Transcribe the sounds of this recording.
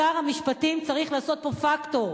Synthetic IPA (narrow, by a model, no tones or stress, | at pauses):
aʁhamiʃpatimt͡saʁiχlaːso̞t̪̚po̞fakto̞ʁ